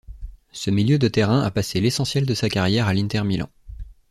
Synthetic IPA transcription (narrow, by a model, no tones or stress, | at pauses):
səmiljød̪ət̪eʁɛ̃ʔa̰paselesɑ̃sjɛld̪əsakaʁjɛʁalĩnt̪ɛʁmilɑ̰̃